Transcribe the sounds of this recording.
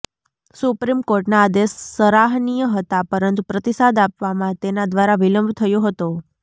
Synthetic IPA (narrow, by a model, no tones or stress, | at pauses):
supɾimkoɾʈnaːd̪esːəɾaɦnijəɦət̪apəɾənt̪upɾət̪isad̪apʋamãt̪enad̪ʋaɾaʋiləmbʱt̪ʰəjoɦət̪o